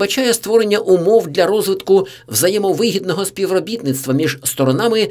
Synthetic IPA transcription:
bɐt͡ʃajɛst̪ʋɔɾe̞nʲːɐʔʊmɔwd̪lʲɐɾɔzʋɪt̪kʊ | wzɐjɛmɔʋɪɦʲid̪nɔɦɔspʲiʋrɔbʲit̪nɪt̪st̪ʋɐmʲiʒst̪ɔɾɔnɑmɪ

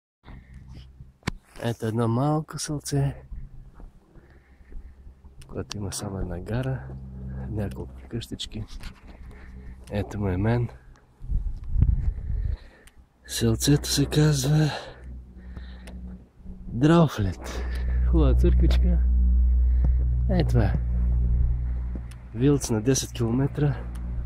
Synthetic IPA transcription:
ɛ̰t̪oɛd̪nɔmalˠkʊsɛlˠt̪sɛ | kʊjɛt̪oiməsamʊɛd̪naɡaɾə | nʲakolˠkʊ̥kəʃt̪ət͡ʃki | ɛt̪omɛmɛn | sɛlˠt̪sɛt̪o̥sɛkazvə | d̪ɾaflʲɛt̪xɔlət̪səɾkvit͡ʃkə | aɛt̪vaɛ | vilˠt̪snɐd̪ɛsɛt̪kʲilˠomɛt̪ɾə

